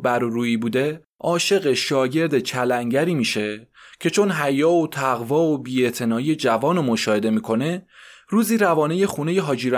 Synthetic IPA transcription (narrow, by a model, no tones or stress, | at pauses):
bæɾoɾuːiːbuːd̪e̞ | ɒːʃe̞ɣeʃɒːɟe̞ɾd̪e̞t͡ʃʰælæŋɟæɾiːmiːʃe̞cʰe̞t͡ʃʰo̞nɦæjɒːot̪ʰæɣvɒːobiːe̞t̪ʰe̞nɒːiːje̞d͡ʒævɒːnomoʃɒːhe̞d̪e̞miːkʰo̞ne̞ | ruːziːɾævɒːne̞je̞xune̞je̞ɦɒːd͡ʒiːɾ